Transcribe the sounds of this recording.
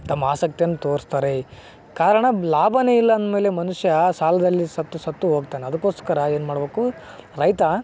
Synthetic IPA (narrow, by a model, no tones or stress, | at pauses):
t̪ɐmːaːsɐk̚t̪ijɐnːut̪oːɾst̪aːɾe | kaːɾɐɳɐlaːbʱɐneilːɐɐnd̪ɐme̞ːle̞mɐnuʂjɐsaːlɐd̪ɐlːisɐt̪ːusɐt̪ːuɦoːɡ̚t̪aːneɐd̪ɐkːoːst̪kɐɾɐeːnumaːɽbeːku | ɾɐjt̪ɐ